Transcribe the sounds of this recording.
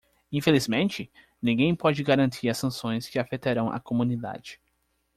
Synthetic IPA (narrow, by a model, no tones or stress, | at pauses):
ĩfelizmẽnt͡ʃɪ | nĩɡẽj̃pɔd͡ʒɪɡaɾɐ̃nt̪ʰiɾɐsɐ̃sõj̃skɪafet̪aɾɐ̃w̃ʔa̰komũnid̪a̰d͡ʒɪ̥